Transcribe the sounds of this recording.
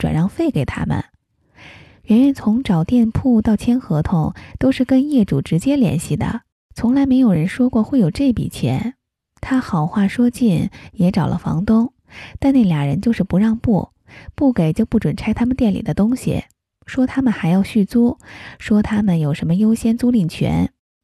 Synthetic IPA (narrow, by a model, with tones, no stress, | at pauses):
ʈ͡ʂwa̰˨˩nɻɑ˥˧ŋfe˥˩ɪke˨˩ɪt̪ʰa̰˥mə̰˩n | ɥɛ˧˥nɥɛ˧˥nt͡sʰʊ˧˥ŋʈ͡ʂɑ˨˩ʊt̪jɛ˥˧npʰu˥˧t̪ɑ˥˩ʊt͡ɕʰjɛ˥nxɤ˧˥t̪ʰʊ˧˥ŋt̪o˥ʊʂɻ̩˥˩kə˥njɛ˥˩ʈ͡ʂṵ˨˩ʈ͡ʂɻ̩˧˥t͡ɕjɛ˥ljɛ̰˧˥nɕi˥˩d̪ə̰˩ | t͡sʰʊ˧˥ŋla˧˥ɪme˧˥ɪjo˨˩ʊɻə˧˥nʂwɔ˥kwɔ˥˧xwe˥˩ɪjo˨˩ʊʈ͡ʂe˥˩ɪpḭ˨˩t͡ɕʰjɛ̰˧˥n | t̪ʰa˥xɑ˨˩ʊxwa˥˩ʂwɔ˥t͡ɕi˥˩njɛ˧˥ʈ͡ʂɑ˨˩ʊlʔə̰˦fɑ̰˧˥ŋt̪ʊ˥ŋ | t̪a˥˧nna˥˩ljɑ˨˩ŋɻə˧˥nt͡ɕjo˥˧ʊʂɻ̩˥˩pu˧˥ɻɑ˥˧ŋpṵ˥˩ | pu˥˩ke˨˩ɪt͡ɕjo˥˧ʊpu˥˩ʈ͡ʂwə˨˩nʈ͡ʂʰa˥ɪt̪ʰa˥mə˨nt̪jɛ˥˩nlḭ˨˩d̪ə˦t̪ʊ˥ŋɕḭ˨˩ | ʂwɔ˥t̪ʰa˥mə˨nxa˧˥ɪjɑ˥˧ʊɕy˥˩t͡su˥ʂwɔ˥t̪ʰa˥mə˨njo˨˩ʊʂə˧˥mə˧jo˥ʊɕjɛ˥nt͡su˥li˥˩ŋt͡ɕʰɥɛ̰˧˥n